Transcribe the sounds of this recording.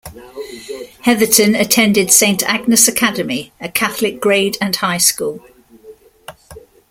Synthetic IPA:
hɛðətʰə̃nətʰɛ̃ndɪd̥sẽɪ̃ntʰa̰ɡ̚nəsəkʰadəmiəkʰaθəlɪk̚ɡ̥ɹeɪdə̃nhaɪskuːlˠ

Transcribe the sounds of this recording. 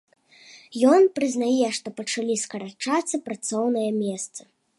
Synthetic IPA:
jɔnpɾɨznajɛʂt̪ɔpɐt͡ʂalʲiskɐɾat͡ʂat̪sːɐpɾat̪sɔwnɐjɐmʲɛst̪sɐ̥

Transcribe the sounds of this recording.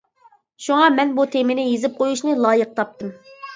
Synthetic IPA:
ʃuŋɑmɛnbut̪ʰemɪnɪjezɪp̚qʰojuʃnɨlˠɑːjəq̚t̪ʰɑp̚t̪ɨm

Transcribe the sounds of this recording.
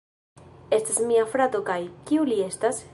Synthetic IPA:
e̞stasmiafɾat̪o̞kajkiulie̞stas

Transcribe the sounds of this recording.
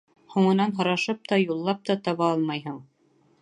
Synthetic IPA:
huɴɤ̆nɑnɦŏɾɑʃɤp̚t̪ɑjulˠːɑp̚t̪ɑt̪ɑβɑɑlˠmɑjɦɤɴ

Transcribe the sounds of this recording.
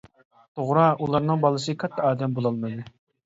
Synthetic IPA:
t̪ʰoʁɾɑʔulˠɑɾnɨŋbɑlˠɨsɨkʰɑt̪ʰːɑɑːd̪ɛmbolˠɑlˠmɨd̪u

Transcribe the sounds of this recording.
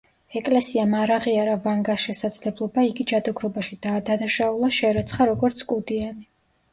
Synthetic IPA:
ɛkʼlɛsiamaɾaʁiaɾavaŋɡasʃɛsad̪zlɛblˠɔbaiɡid͡ʒad̪ɔɡɾɔbaʃid̪aːd̪anaʃaulˠaʃɛɾɛt̪sʰχaɾɔɡɔɾt̪sʰkʼud̪iani

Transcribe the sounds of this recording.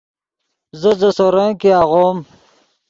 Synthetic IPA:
zəzəsoɾaŋkeaɣoːm

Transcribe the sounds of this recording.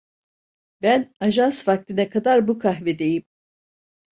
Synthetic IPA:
bænaʒansfak̚t̪ʰinɛkʰad̪aɾbukʰaɦvɛd̪ejim

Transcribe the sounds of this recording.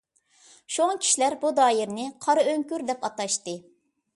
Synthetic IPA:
ʃoŋkʲʰi̥ʃilæɾbud̪ɑːjɪɾnɪqʰɑɾɨøŋkʲyɾd̪ɛpɑt̪ɑʃt̪ɨ

